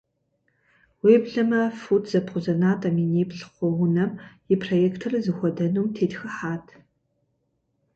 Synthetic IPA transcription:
weːbɮɐmɐfutʰz̥ɐpχʷʊzɐnaːtʼɐmineːpɬχʷɔwʊnɐm | ɪpʰrojɛːktʰɨrɐzɨxʷɔdɐnuːmtʰeːtxɐħaːtʰ

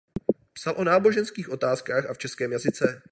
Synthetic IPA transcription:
psalʔo̞naːbo̞ʒɛnskiːxʔo̞t̪aːskaːxʔaft͡ʃɛskɛːmjazɪt͡sɛ

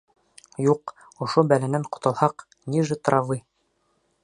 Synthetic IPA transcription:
juq | ŏʃobælænæɴqŏ̥t̪ɑlˠhɑq | niʒɘt̪ɾɑvɤj

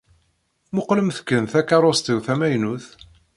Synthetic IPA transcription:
mʊqləmθkːənθækːɑɾˤost̪iwθæmæjnuθ

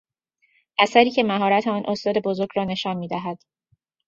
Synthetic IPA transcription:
ʔæsæɾiːcʰe̞mæɦɒːɾæt̪ʰeɒːnʔo̞st̪ɒːd̪e̞bo̞zo̞ɾɟɾɒːne̞ʃɒːnmiːd̪æɦæd̪̥

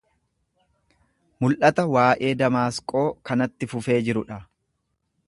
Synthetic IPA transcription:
mʊlʔɐt̪ɐwaːʔe̞ːd̪ɐmaːskʼo̞ːkɐnɐt̪ːɪfʊfe̞ːd͡ʒɪɾʊᶑɐ

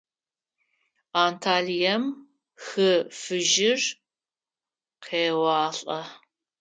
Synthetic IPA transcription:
aːntʰaːɮijɐm | xɨfɨʒɪr | qʰeːwɑːɬʼɐ

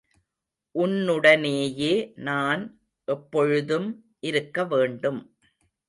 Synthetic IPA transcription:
ʔʊnːɯɽɐneːjeːnaːn | ʔɛpːɔɻɯðɯm | ʔɪɾɯkːɐʋeːɳɖɯm

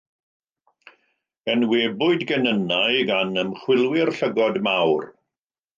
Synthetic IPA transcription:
ənweːbʊɨdɡənənajɡanəmχwɪlˠwɪrɬəɡɔdmawr

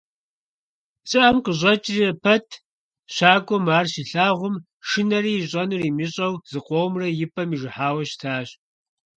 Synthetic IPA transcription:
t͡sʼɨʔɐmqəʑʷɐt͡ʃʼrɐpʰɐtʰ | ɕaːkʷʼɔmaːrɕiɬaːʁʷʊm | ʂɨnɐɾiːɕʼɐnɨriːmiɕʼɐwzɨqʷʼowmrɐjɪpʰʼɐmiʒɨħaːwɐɕtʰaːɕ

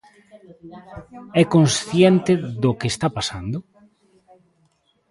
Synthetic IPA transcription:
ɛkonsθjɛnt̪ɪðʊkeːst̪apasand̪ʊ

